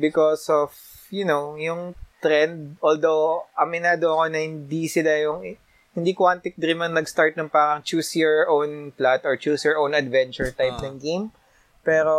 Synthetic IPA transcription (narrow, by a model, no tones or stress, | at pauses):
bɪkosɔv | jʊnowjʊŋt̪ɾɛnd̪̚ʔoːld̪owʔɐmɪnaːd̪oɐko̞nɐhɪnd̪isɪlajʊŋ | hɪnd̪ikwant̪ɪk̚d̪ɾimɐŋnɐɡst̪aɹt̪̚nɐŋpaːɾɐŋt͡ʃuːsjɔɹʔownplat̪ɔɹt͡ʃuːsjɔɹʔownɐd̪vɛ̃nt͡ʃʊɹt̪ajpnɐŋɡejm | pɛːɾo